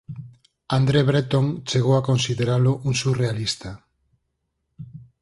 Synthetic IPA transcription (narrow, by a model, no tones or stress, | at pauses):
and̪ɾeβɾet̪oŋt͡ʃeɣ̞owakonsiðeɾaloʔuŋsurealist̪a